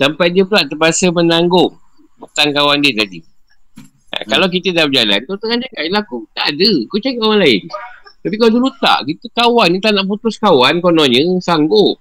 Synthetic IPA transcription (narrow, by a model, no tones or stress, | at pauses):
sampajdiəpəlaʔt̪əbasəmənaŋɡʊŋ | but̪aŋkawandiət̪adḭ | a̰kalawk̬it̪ədabəd͡ʒala̰nkot̪aŋand͡ʒakaʔlakut̪adəkut͡ʃaikawanlaɪnt̪apikawadəlut̪a̰ʔkit̪əkawanĩt̪aʔnaʔp̬ut̪ʊskawankonɔ̃ɲə̃saŋɡʊʔ̚